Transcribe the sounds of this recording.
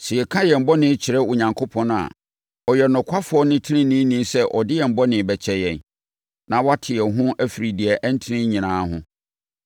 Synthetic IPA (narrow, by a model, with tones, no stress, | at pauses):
sɪ˨ɛ˨kʰã˦jɛ˨m̩˨bɔ˦nɪ̃˦t͡ɕʰɪ˨ɾɛ˦ʊ˨ɲã˨ŋkʰo˦pʰɔ̃˦nʊ̃a̰˨ | ɔ˨jɛ˨nʊ̃˨kʷʰa˦fʊ˨˦ɔ˦nɪ̃˦tʰɪ˦nɪ̃˦nĩ˦nĩ˦sɛ˦ʔɔ˨dɪ˦jɛ˨m̩˨bɔ˦nɪ̃˨bɛ˨t͡ɕʰɛ˨jɛ̃˨n | nã˨wa˦tʰɪ˨ɛ˨ɦʊ̃˦ʔæ˦fi˨ɾi˨di˨ɛ˨ʔɛ˦n̩˦tʰɪ˦nɪ̃˦ɲĩ˨nãː˨˦ɦʊ̰̃˦